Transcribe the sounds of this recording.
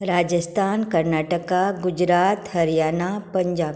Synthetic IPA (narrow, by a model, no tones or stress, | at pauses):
ɾaːd͡ʒəst̪ʰaːnkɐɾnaːʈəkaɡʊd͡ʒɾaːt̪hɐɾijaːnapɐ̃ɲd͡ʒaːb